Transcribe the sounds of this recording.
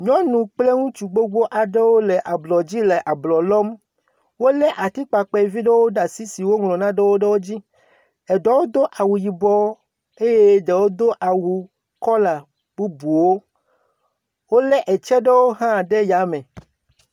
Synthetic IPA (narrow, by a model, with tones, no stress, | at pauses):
ɲɔ̃˦nũ˨k͡ple˦ŋũ˦t͡ʃu˨ɡ͡bo˦ɡ͡bo˦ʔa˨ɖe˦wo˦lɛ˨ʔa˨blɔ˨d͡ʑi˦le˨ʔa˨blɔ˨lɔ˦m | wo˦lɛ˦ʔa˨t̪i˦k͡pa˨k͡pɛ˦˨vi˦ɖe˦wo˦ɖa˨si˦si˨wo˦ŋlɔ̃˨nã˦ɖe˦wo˦ɖe˦wo˦d͡ʑi˦ | ɛ˨ɖɔ˦wo˦d̪o˦ʔa˨wu˨ji˨bɔ˦ | e˦je˦ɖe˨wo˦d̪o˦ʔa˨wu˨ | kɔ˦la˨ | bu˦bu˨wo˦ | wo˦lɛ˦ʔɛ˨t͡ʃɛ˦ɖe˦wo˦ɦã˦˨ɖe˦ja˨˦mɛ̃˨